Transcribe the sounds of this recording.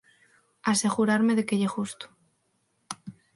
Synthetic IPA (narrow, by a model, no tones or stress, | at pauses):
ase̞ɣuɾaɾmeðekeʎexust̪o̥